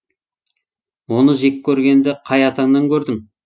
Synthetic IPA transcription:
wo̞nəʒe̞kʲʰːɵɾɡʲe̞nd̪ɪqʰɑjɑt̪ɑŋnɑŋkʲɵɾd̪ɪŋ

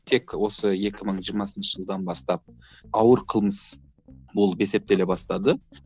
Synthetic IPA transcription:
t̪ʰe̞kwo̞səje̞kʲɪməɴʒijɾmɑsənʃəʒəlˠd̪ɑnbɑst̪ɑp̚ | ɑwəɾqʰəlˠməs | bolˠəpese̞p̚t̪e̞lebɑst̪ɑd̪ə

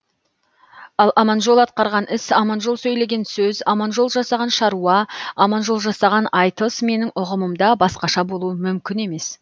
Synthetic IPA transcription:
ɑlˠʔɑmɑnʒo̞lˠɑt̪̚qɑɾʁɑnɪsɑmɑnʒo̞lˠsɵjle̞ɡʲe̞nsɵzɑmɑnʒo̞lˠʒɑsɑʁɑnʃɑɾuɑɑmɑnʒo̞lˠʒɑsɑʁɑnɑjt̪əsme̞nɪŋʊʁəməmd̪ɑbɑsqɑʃɑbo̞lˠuəmʏmkʲɪne̞me̞s

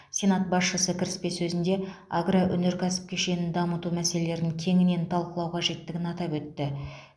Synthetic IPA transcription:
sʲe̞nat̪̚bɑsʃəsəkʲʰɪɾɪspe̞sɵzɪnd̪e̞aɡraʔɵ̰ne̞ɾkʲʰæsɪ̥p̚kʲʰeʃe̞nɪnd̪ɑmət̪umæse̞le̞le̞ɾd̪ɪŋkʲʰe̞ŋɪne̞nt̪ʰɑlˠqəlˠɑwqʰɑʒe̞t̪ːɪɡʲɪnɑt̪ɑpwɵt̪ːɪ

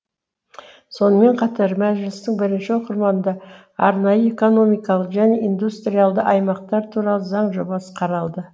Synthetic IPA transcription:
so̞nəme̞ɴqʰɑt̪ɑɾmæʒɪlɪst̪ɪŋbɪɾɪnʃɪwo̞qəɾmɑnd̪ɑ | ɑ̰ɾnɑjəeko̞no̞mijkɑlˠəqʒæne̞ʔind̪ust̪ɾijalˠd̪əʔɑjmɑq̚t̪ɑɾt̪ʰuɾɑlˠəzɑɴʒo̞bɑsə̥qʰɑɾɑlˠd̪ə

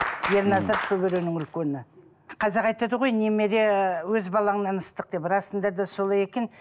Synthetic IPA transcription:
jeɾnɑsɑɾʃɵβeɾenɪŋʏlkʲenɪ | qʰɑzeɾɑjt̪ɑd̪əʁo̞jneme̞ɾewɵzbɑlˠɑɴnɑnəst̪əq̚d̪e̞pɾɑsənd̪ɑd̪ɑso̞lˠɑje̞kʲen

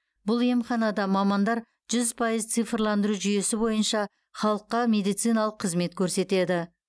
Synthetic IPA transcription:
bʊlˠe̞mχɑnɑd̪ɑmɑmɑnd̪ɑɾ | ʒ̥ʏzpʰɑjəzt̪sɨjfrlˠɑnd̪əɾuʒʏje̞sɪbo̞jənʃɑ | χɑlˠəqːɑmʲe̞d̪ijt̪sɨjnɑlˠəqʰːəzme̞t̪kʲʰɵɾse̞t̪e̞d̪ɪ

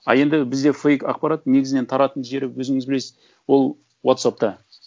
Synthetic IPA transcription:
ɑ̰lˠe̞nd̪ɪbɪzd̪e̞fejkɑq̚pɑɾat̪ne̞ɡʲɪzɪnet̪ʰɑɾɑt̪ənʒe̞ɾɪpwɵzɪŋɪzbɪlesɪz | wo̞lˠ | wot̪sap̚t̪ɑ

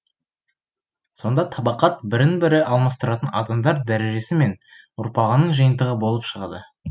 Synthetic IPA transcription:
so̞nd̪ɑt̪ʰɑbɑqɑt̪̚bɪɾɪnbɪɾɪʔɑlˠmɑst̪əɾɑt̪ənɑ̰d̪ɑmd̪ɑɾd̪æɾe̞ʒe̞sɪme̞n | ʊɾpɑʁənəɴʒəjənt̪əʁəbo̞lˠəpʃəʁɑ̰d̪ə

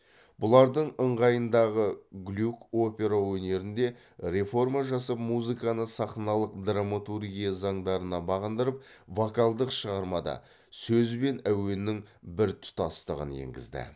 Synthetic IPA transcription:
bʊlˠɑɾd̪əɴəɴʁɑjənd̪ɑʁəɡlʲuko̞pʲe̞ɾawɵne̞ɾɪnd̪e̞ | ɾe̞fo̞rmaʒɑs̬ɑpmuzɨkanəsɑχnɑlˠəqd̪ramat̪urɡʲijazɑɴd̪ɑɾənɑbɑʁənd̪əɾəp̚ | vokalˠd̪əqʃəʁɑɾmɑd̪ɑ̰ | sɵzbe̞næwe̞nɪŋ | bɪɾt̪ʰʊ̥t̪ɑst̪əʁə̰nḛŋɡʲɪ̰zd̪ɪ̰

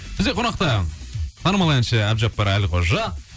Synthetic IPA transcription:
b̥ɪzɡʲeonɑq̚t̪ɑt̪ʰɑnəmɑlˠɑjnʃɑæbʒɑpːɑɾælʲqʰoʒɑ

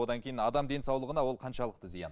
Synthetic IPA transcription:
o̞d̪ɑŋkʲʰe̞jɪnɑd̪ɑmd̪e̞nsɑwlˠəʁənɑwo̞lˠqʰɑnʃɑlˠəq̚t̪əzijɑ̰n

